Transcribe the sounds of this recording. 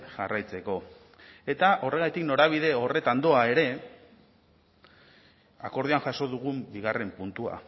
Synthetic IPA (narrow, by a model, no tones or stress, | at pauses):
ʝa̰rajt͡se̞ko̞ | e̞t̪aʔo̞re̞ɣ̞ajt̪ikno̞ɾaβ̞ið̞e̞o̞re̞t̪and̪o̞ae̞ɾe̞ | a̰ko̞ɾðuaŋʝaso̞ðuɣumbiɣ̞are̞mpunt̪ua̰